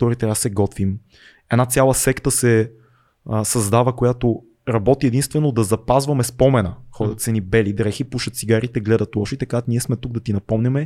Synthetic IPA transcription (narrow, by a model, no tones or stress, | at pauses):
t̪ɔɾit̪ɾasɛɡɔt̪vim | ɛd̪nat̪sʲjalˠəsɛkt̪əsɛ | sɐzd̪avɐkojat̪o | ɾɐbɔt̪iɛd̪inst̪vɛnod̪ɐzɐpazvɐmɛspɔmɛnəxɔd̪ət̪sɛnibɛlid̪ɾɛxipuʃɐt̪t̪siɡaɾit̪ɛɡlɛd̪ɐt̪ˠɔʃit̪ɐkaniɛsmɛt̪uɡ̚d̪ɐt̪inɐpɔmnʲɛmɛ